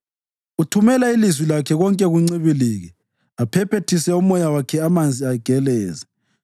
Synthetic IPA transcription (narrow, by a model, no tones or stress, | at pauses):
utʰumɛlailizwilakʰɛɣɔŋkʼɛɣuŋ͡ǀiβiliːɣɛ | apʰɛpʰetʰisɛumɔjawakʰɛamand͡zʱiaɡ̥ʱɛlɛːzɛ